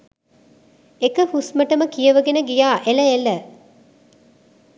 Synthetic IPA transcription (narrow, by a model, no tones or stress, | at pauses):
ekəfusməʈəməkijəʋəɡenəɡijaːʔeləelə